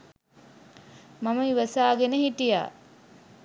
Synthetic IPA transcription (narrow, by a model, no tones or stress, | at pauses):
maməiʋəsaːɡenəɦiʈija̰ː